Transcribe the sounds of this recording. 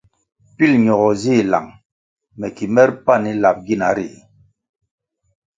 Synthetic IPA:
pi˦lɲɔ˨ɣɔ˨zi˦˨la̰˨ŋ | mɛ˨ki˨mɛ˦ɾpa˦˨ni˦la˨p̚ɡi˦˨na˨˦ɾḭ˨

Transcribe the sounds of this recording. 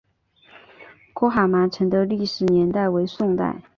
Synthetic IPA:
kʰɔ˧˥xa˨˩ma˧˥ʈ͡ʂʰɤ˧˥ŋd̪ə˧˥li˥˩ʂɻ̩˨˩njɛ˧˥nt̪a˥˩ɪwe˧˥ɪsʊ˥˧ŋt̪a̰˥˩ɪ

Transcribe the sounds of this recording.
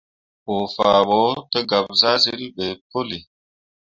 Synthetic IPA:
ɓo˨fa˨ɓɔ˨˦tə˦ɡa˨p̚za˦se˦ɾi˦ɓe˨po˦li˨

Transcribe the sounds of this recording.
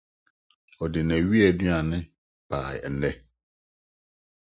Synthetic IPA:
ɔ˨dɪ˨nɛ̃˨ɥi˦ɛ˨dɥa˨nɪ̃˦ | b̥a̰ː˨jn̩˦nɛ˦

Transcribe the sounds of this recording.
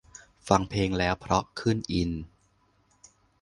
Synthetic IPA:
fa˧ŋpʰeː˧ŋlɛː˦˥wpʰɾɔ˦˥kʰɯ˥˩nʔi˧n

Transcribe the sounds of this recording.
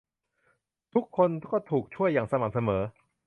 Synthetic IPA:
t̪ʰu˦˥kʰːo˧nkkɔː˥˩t̪ʰuː˨˩k̚t͡ɕʰu˥˩əjːaː˨˩ŋsa˧ma˨˩˥k̚sa˧mɤː˩˦

